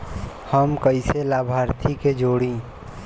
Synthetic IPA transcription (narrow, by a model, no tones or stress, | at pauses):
həmkəɪselaːbʱaːɾt̪ʰiked͡ʒoːɽĩː